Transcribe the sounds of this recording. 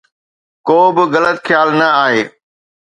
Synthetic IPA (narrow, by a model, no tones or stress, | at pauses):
koːbɪɣɐlət̪xʰjaːlnɐaːɦeː